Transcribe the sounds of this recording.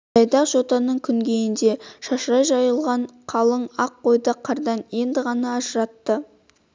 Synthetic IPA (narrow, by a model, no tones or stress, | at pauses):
ɑjd̪ɑqʒot̪ɑnəɴkʲʰʏŋɡʲejɪnd̪e̞ʃɑʃɾɑjʒɑjəlˠʁɑɴqʰɑlˠəɴɑqqo̞jd̪əqʰɑɾd̪ɑnje̞nd̪ɪʁɑnɑːʒəɾɑt̪ːə